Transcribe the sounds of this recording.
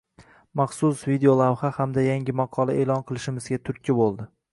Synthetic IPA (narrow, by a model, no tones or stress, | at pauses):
mɑχsʊsvid̪eolˠawhahamd̪ajaŋʲɪmɑqʰɒlˠaʔeːlˠɒnqʰɨlˠɪʃɪmɪzɡʲat̪ʰʊɾkʰʲːɪbolˠd̪ɪ